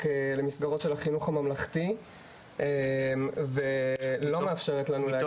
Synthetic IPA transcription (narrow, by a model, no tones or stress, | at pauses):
kelemisɡaʁo̞tʃelaχinuχamamlaχti | emvelo̞meafʃeʁetlanulea